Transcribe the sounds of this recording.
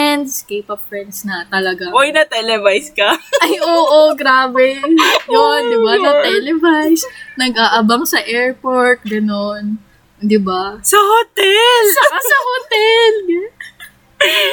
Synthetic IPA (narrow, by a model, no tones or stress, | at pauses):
ɛnd̪skejpɐp̚fɹɛnd̪snɐt̪ɐlɐɡaojnɐt̪ɛlɛvajskɐʔɐjʔoːʔoɡɾaːbɛjond̪ɪbanɐt̪ɛlɛvajsnɐɡʔaːʔɐbɐŋsɐʔɛɹpoɹt̪̚ɡɐnon | d̪ɪbasɐhot̪ɛlsɐkɐsɐhot̪ɛl